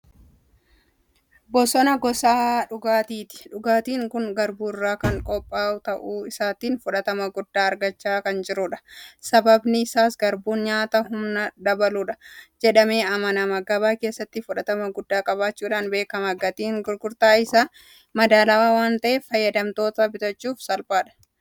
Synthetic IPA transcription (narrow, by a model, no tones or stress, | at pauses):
bɔsɔnɐɡɔsaːᶑʊɡaːt̪iːt̪ɪ̥ᶑʊɡaːt̪iːŋkʊŋɡɐɾbuːrːaːkɐŋkʼɔpʼːaːʊt̪ɐʔuːɪsaːt̪iːnfʊᶑɐt̪ɐmɐɡʊd̪ːaːɐɾɡɐt͡ʃːaːkɐnd͡ʒɪɾʊᶑɐ̥sɐbɐbnɪɪsaːsɡɐɾbuːnɲaːt̪ɐhʊmnɐd̪ɐbɐluːᶑɐ̥d͡ʒɛᶑɐme̞ːɐmɐnɐmɐɡɐbaːke̞ːsːɐt̪ːɪfʊᶑɐt̪ɐmɐɡʊd̪ːaːkʼɐβaːt͡ʃːuːᶑaːnbe̞ːkɐmɐɡɐt̪iːŋɡʊɾɡʊɾt̪aːɪsaː | mɐd̪aːlɐwaːwaːnt̪ɐʔɛfɐjːɐd̪ɐmt̪o̞ːt̪ɐbɪt̪ɐt͡ʃːuːfsɐlpaːᶑɐ̥